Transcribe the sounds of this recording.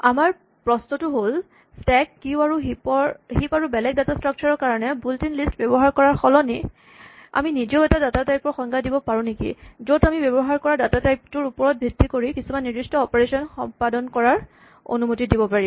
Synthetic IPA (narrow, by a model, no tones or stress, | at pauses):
amaɹ | pɹɔsnɔtʊɦol | stɛkːiʊaɹuɦipɔhipaɹubɛlɛk̚datastɹɔk̚t͡ʃaɹɔɹkaɹɔnɛbultinlistbɔbɔɦaɹkɔɹaɹxɔlɔni | a̰minizɔʊɛtadatatajpɔxɔŋɡadibɔpaɹũnekḭzotamibɛbɔɦaɹkɔɹadatatajp̚tʊɹupɔɹɔt̚bʱitːikoɹikisumanːidistɔːpeɹesɔnxɔ̰mpadɔnkɔɹaɹ | o̰numotidibɔpaɹi